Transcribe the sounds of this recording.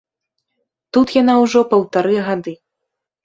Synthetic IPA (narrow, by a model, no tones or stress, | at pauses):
t̪ut̪janawʐɔpɐwt̪aɾɨɣad̪ɨ